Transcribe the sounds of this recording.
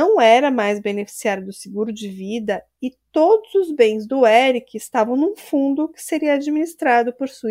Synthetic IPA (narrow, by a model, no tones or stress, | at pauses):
ɐ̃w̃ɛɾɐmajzbenefi̥siaɾjʊd̪ʊsɪɡuɾʊd͡ʒɪvid̪ɐ | ɪt̪od̪ʊzʊzbẽj̃zd̪ʊɛɾikɪɪst̪avɐ̃w̃nũfũnd̪ʊkɪ̥seɾiɐad͡ʒiminist̪ɾad̪ʊpoɾsui